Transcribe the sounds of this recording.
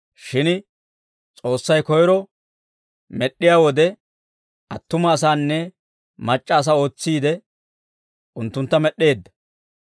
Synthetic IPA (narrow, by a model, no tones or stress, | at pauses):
ʃɪn | t͡sʼo̞ːsːɐjkɔjɾɔ | mɛɗːɪjaːwɔd̪ɛ | ʔɐt̪ːʊmɐːs̬aːnːɛ | mɐt͡ʃʼːɐːs̬ɐo̞ːt͡sːiːd̪ɛ | ʊnt̪ːʊnt̪ːɐmɛɗːe̞ːd̪ːɐ̥